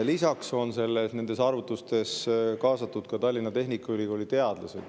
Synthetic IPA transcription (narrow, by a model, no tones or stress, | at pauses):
lisɑkso̞nse̞lːesne̞nd̪̥e̞sɑːrvut̪ːˑust̪e̞skɑːsɑt̪ːˑud̪̥kɑt̪ɑlʲːinːɑt̪e̞ɦnikːˑɑylʲiko̞ːlʲːit̪e̞ɑd̪̥lɑse̞d̥̪